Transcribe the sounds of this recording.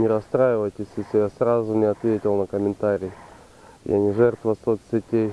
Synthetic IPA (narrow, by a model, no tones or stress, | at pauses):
nʲɪɾɐst̪ɾajɪvəjtʲɪsʲɪsʲɪjasrazʊnʲɪɐt̪vʲetʲɪlˠnɐkəmʲɪnt̪aɾʲɪ | ja̰nʲɪʐɛrt̪vəsot̪sʲɪtʲej